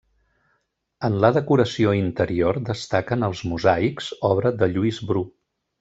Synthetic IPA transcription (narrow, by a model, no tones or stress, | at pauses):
ənləðəkuɾəsioint̪əɾiord̪əst̪akənəlˠzmuzaikzɔβɾəðəʎuizbɾu